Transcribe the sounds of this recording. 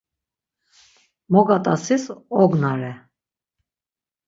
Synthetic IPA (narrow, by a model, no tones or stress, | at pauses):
mɔɡat̪ʼasisɔɡnaɾɛ